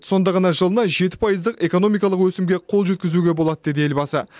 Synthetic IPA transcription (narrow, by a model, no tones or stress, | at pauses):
so̞nd̪ɑʁɑnɑʒəlˠənɑʒe̞t̪ɪ̥pʰɑjəzd̪əqe̞ko̞no̞mijkɑlˠəqwɵsɪmɡʲe̞qʰo̞lˠʒɵt̪̚kʲɪzuɡʲe̞bo̞lˠɑd̪əd̪e̞d̪ee̞lbɑsə